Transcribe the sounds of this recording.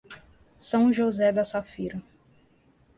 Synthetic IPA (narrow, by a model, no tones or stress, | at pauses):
sɐ̃w̃ʒozɛd̪ɐsafiɾɐ